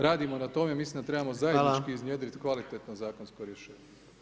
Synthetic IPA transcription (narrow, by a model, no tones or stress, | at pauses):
ɾaːd̪imo̞nat̪o̞memislind̪at̪ɾe̞bamo̞zajed̪it͡ʃkiːzɲjeːd̪ɾit̪kʋalit̪et̪nozaːkonskoɾjeʃe̞ːɲe